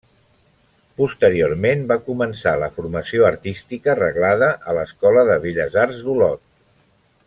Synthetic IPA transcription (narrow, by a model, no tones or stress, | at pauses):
pust̪əɾioɾmembakumənsaləfuɾməsioəɾt̪ist̪ikərəɣlaðəʔələskɔləðəβiʎəzarzd̪ulɔt̪̚